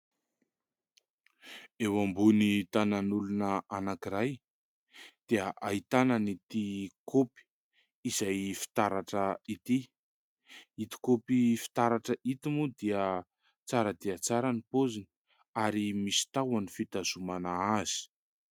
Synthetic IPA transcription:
ewambunit̪ananulunəanakiɾaj | d̪̥eəʔait̪ananit̪ikopi̥ | izajfi̥t̪aɾaʈ͡ʂəit̪i | it̪i̥kopifi̥t̪aɾaʈ͡ʂəit̪imud̪iə | t͡saɾəd̪iət͡saɾənipozin | aɾimisi̥t̪awanifit̪az̥umanaaz̥i̥

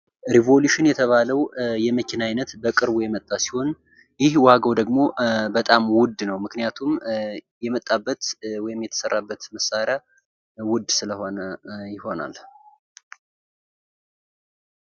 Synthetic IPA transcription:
ɾivo̞luʃɪnjɛt̪ʰəβaləwjɛməkʰɪnajnət̪bəkʼɨɾbujɛmət̪ʼːasi̥ho̞n | jɪhwaɡəwd̪əɡmo̞bət̪ʼamwʊd̪ːnəwmɨknijat̪ʰumjɛmət̪ʼːabːət̪wɔjɪmjɛt̪ʰə̥sərːabːət̪məsaɾja | wʊd̪ːsɨləhonəjɪho̞na̰l

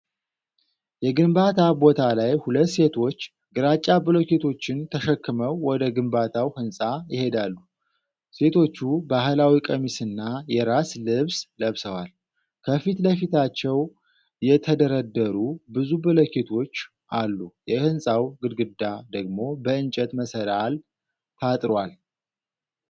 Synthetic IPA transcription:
jɛɡɨmbat̪ʰabot̪ʰalajhulət̪ːse̞t̪ʰo̞t͡ʃː | ɡɨɾat͡ʃʼːabɨləket̪ʰo̞t͡ʃːɪnt̪ʰəʃəkːɨməwːɔd̪əɡɨmbat̪ʰawhɨnsʼajɪhe̞d̪alːu | se̞t̪ʰo̞t͡ʃːubaɦɨlawikʼəmisɨnːajɛɾaslɨβsləβsəwal | kʰəfit̪ləfit̪ʰat͡ʃːɛw | jɛt̪ʰəd̪əɾəd̪ːəɾubɨzubɨlokʰet̪ʰo̞t͡ʃː | ʔalːujɛhɨnsʼawɡɨd̪ɡɨd̪ad̪əɡmo̞bəɨnt͡ʃʼɛt̪məsəɾal | t̪ʰat̪ʼɾwal

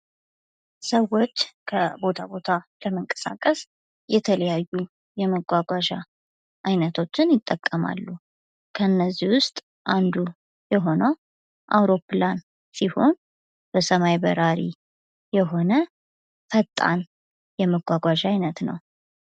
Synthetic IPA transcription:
səwːo̞t͡ʃːkʰəbo̞t̪ʰabo̞t̪ʰaləməŋkʼə̥sa̰kʼːəs | jɛt̪ʰələjajːu | jɛməɡʷaɡʷaʒa̰ | ʔajnət̪ʰo̞t͡ʃːɪnjɪt̪ʼːəkʼːəma̰lːu | kʰəɨnːəzːiwʊst̪ʼ | ʔand̪u | jɛɦo̞nəw | ʔawɾo̞plan | siho̞n | b̥əsəmajbə̰ɾaɾḭ | jɛɦo̞nə | fət̪ʼːa̰n | jɛməɡʷaɡʷaʒajnət̪nə̰w

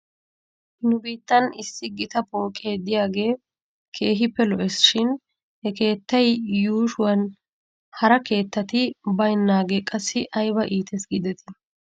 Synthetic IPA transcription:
hɪnʊbiːt̪ːɐnɪsːɪɡɪt̪ɐpo̞ːkʼe̞ːd̪ɪjaːɡe̞ː | kʰe̞ːɦɪpːɛlɔʔɛsʃɪn | hɛke̞ːt̪ːɐjjuːʃʊwɐn | hɐɾɐke̞ːt̪ːɐt̪ɪbɐjnːaːɡeːkʼɐsːɪʔɐjbɐʔiːt̪ʰɛsɡɪd̪ɛt̪ʰɪ

